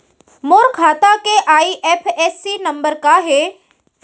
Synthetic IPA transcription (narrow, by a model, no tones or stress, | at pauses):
moːɾkʰaːt̪akeʔaːiʔɛːpʰɛːsːinɐ̃mbəɾkaɦe